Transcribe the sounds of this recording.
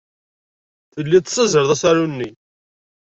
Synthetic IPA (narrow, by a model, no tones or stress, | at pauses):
θəlːit̪səzəɾðˤæsaɾunːi